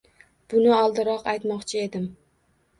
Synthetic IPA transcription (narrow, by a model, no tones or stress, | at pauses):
b̥ʊnɪɒlˠd̪ɪɾɒqajt̪mɒqt͡ʃʰɪe̞d̪ɪm